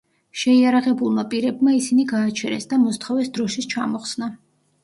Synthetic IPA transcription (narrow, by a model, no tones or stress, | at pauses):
ʃɛiaɾaʁɛbulˠmapʼiɾɛbmaisiniɡaːt͡ʃʰɛɾɛ̰sd̪amɔst̪ʰχɔvɛsd̪ɾɔʃist͡ʃʰamɔχsna